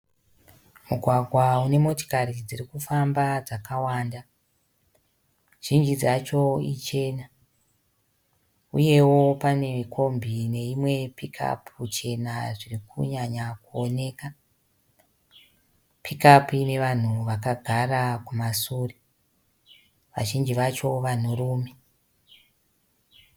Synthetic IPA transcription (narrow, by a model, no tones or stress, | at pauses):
muɡʱwaɡʱwaune̞mo̞to̥karid͡ziɾikufambad͡zakawanda | ʒ̥ind͡ʒid͡zat͡ʃo̞it͡ʃe̞ːna | ṵje̞wo̞pane̞kʰo̞mbine̞imwe̞pikʰa̰pʰut͡ʃe̞naʐirikʰṵɲaɲakuone̞ːka | pʰikapuine̞ʋan̤uʋakaɡʱarakumasuːre | ʋa̰ʒind͡ʒiʋat͡ʃo̞ʋan̤uruːme